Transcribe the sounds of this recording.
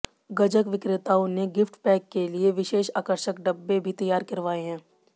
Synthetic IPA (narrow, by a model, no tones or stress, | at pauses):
ɡɐd͡ʒəkʋɪkɾɪt̪aːoneɡɪfʈpɛːkːelieʋɪʃeːʃaːkəɾʃəkɖɐbːebʱit̪ɐjaːɾkɐɾʋaːeɦɛ̃ː